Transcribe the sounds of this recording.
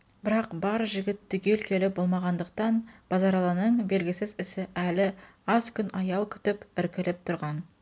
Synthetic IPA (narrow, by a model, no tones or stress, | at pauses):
bɪɾɑqbɑɾʒɪɡʲɪt̪ːʏɡʲelkʲʰe̞lɪbo̞lˠmɑʁɑnd̪əq̚t̪ɑnb̥ɑzɑɾɑlˠɑnəɴbe̞lɡʲɪsɪzɪsɪʔælɪ | ɑzkʲʏnɑjɑlˠkʲʰʏ̥t̪ɪpɪɾkʲɪlɪp̚t̪ʰʊɾʁɑn